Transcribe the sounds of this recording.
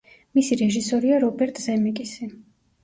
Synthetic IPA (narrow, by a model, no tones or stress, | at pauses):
misiɾɛʒisɔɾiaɾɔbɛɾt̪ʼzɛmikʼisi